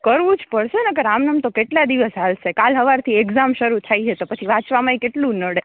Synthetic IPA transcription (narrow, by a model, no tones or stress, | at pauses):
kəɾʋũd͡ʒpəɽʃenəkəɾamnəmt̪okeʈlad̪iʋəsɦalʃekalɦəʋaɾt̪ʰieɡzamʃəɾut̪ʰait͡ʃʰet̪opət͡ʃʰiʋãt͡ʃʋamaikeʈlũnəɽe